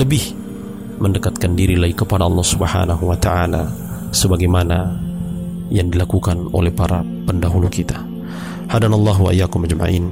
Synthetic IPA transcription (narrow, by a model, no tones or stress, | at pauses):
ləbɪh | məndəkat̪̚kandiɾilaikəpadaɑlːɑhsubəha̰naɦuwat̪aʔala | səbaɡajmana | jaŋdilakukano̰lɛhpaɾa̰ | pəndaɦulukit̪ḁ | hadanalˠːɑɦwa̰ʔijːakʊmad͡ʒma̰ʔḭːn